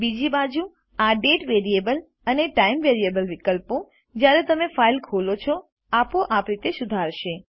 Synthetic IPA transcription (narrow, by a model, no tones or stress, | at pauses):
bid͡ʒibad͡ʒu | aɖeʈʋeɾiebəl | əneʈaimʋeɾiebəlʋikəlpõ | d͡ʒjaɾet̪əmefailkʰolot͡ʃʰɔ | apoʔapɾit̪esʊd̪ʱaɾʃe